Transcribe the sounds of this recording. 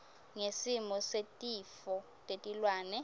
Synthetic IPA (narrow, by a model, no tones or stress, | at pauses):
ŋesimɔsetʼifɔ | tʼetʼilwaːnɛ